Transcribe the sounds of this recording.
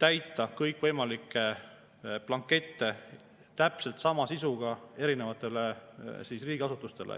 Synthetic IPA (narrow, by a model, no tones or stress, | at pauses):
t̪æjt̪ːˑɑkɤjkːˑvɤjmɑlikːˑe | plɑŋkːˑe̞t̪ːe̞ | t̪æpse̞lt̪sɑmɑsisuɡ̥ɑe̞ɾine̞vɑt̪ːˑe̞le̞siːsriːɡ̥iɑsut̪ːˑust̪e̞lʔḛ